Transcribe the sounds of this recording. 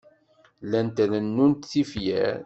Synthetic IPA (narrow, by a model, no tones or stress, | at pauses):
lænt̪ælənːunt̪θifjæ̰ɾ